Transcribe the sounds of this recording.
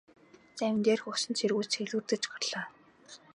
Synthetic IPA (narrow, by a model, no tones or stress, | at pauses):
t͡ɕæw̆ʲnt̪eːrxʊʃɪ̆nt͡ɕʰirɣuːt͡ɕxeɮuːrt̪ɘ̆t͡ɕpɔrɮ̥aː